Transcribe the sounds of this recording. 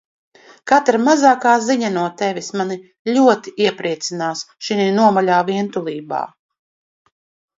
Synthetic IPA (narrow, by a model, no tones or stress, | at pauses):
kat̪ɾamazaːkaːziɲanuɔt̪ɛvʲismani | ʎʲuɔt̪iiɛpɾiɛt̪sinaːsʃiniːnuɔmalʲaːviɛnt̪ulˠiːba̰ː